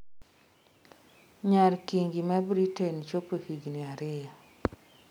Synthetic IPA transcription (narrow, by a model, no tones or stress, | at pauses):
ɲalkiŋɡimɛbɾitent͡ʃopohiɡniaɾɪja